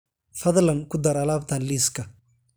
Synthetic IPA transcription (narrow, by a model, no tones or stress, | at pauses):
fɐðlɐŋkʰʊd̪ɐɾɐlaːbt̪ʰaːnliːskʰɐ